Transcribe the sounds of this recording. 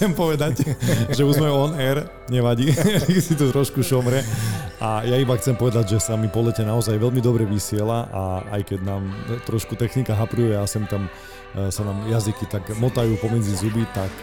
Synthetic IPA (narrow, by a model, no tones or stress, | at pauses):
ɛmpɔʋɛd̪acʒɛuzmɛɔnɛɾ | ɲɛʋaɟiɛkɛsit̪ɔt̪ɾɔʃkuʃɔmɾɛajaibaxt͡sɛmpɔʋɛd̪aɟʒɛsamipɔlɛcɛnaɔzajʋɛʎmid̪ɔbɾɛʋisɪɛlaʔaa̰jkɛɟnaːmt̪ɾɔʃkut̪ɛxnikaɦapɾujɛjasɛmt̪am | sanaːmjazikit̪akmɔt̪ajuːpɔmɛd͡zizubit̪ak